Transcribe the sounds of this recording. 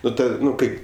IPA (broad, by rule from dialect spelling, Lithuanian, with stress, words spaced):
ˈnʊ ˈnʊ ˈkɐɪp